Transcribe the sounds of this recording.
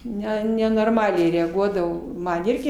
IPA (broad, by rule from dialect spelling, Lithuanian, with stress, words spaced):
ˈnʲɛ nʲɛnoːrˈmɑːlʲɛɪ rʲɛɐˈɡuɔdɐʋoː ˈmɐn ˈɪrʲɡʲɪ